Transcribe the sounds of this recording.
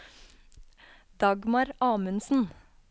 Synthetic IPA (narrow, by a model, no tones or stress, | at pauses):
d̪̥ɑɡmɑɾʔɑːmʉnsn̩